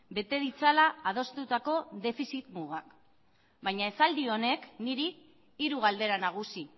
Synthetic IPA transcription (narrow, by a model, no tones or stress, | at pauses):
be̞t̪e̞ð̞it͡salaːð̞o̞st̪ut̪ako̞ðe̞fisit̪muɣak | bajɲae̞sald̪io̞ne̞kniɾiː | ɾuɣ̞ald̪e̞ɾanaɣ̞usi